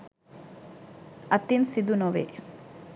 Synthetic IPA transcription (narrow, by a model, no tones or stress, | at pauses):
ɐt̪ːinsid̪unoʋḛ